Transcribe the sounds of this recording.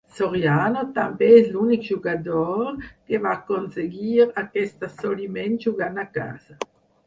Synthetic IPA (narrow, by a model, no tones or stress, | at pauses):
soʁjaːnot̪ambɛɛslunikd͡ʒuɡad̪ɔɾkevakonseɡiːɾakɛst̪asolimɛn̚d͡ʒuɡanaka̰ːza